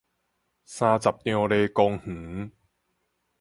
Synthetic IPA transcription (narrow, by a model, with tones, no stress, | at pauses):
saː˧t͡sa˨˩p̚ni˧o˧leː˧ko˧ŋh̩˩˦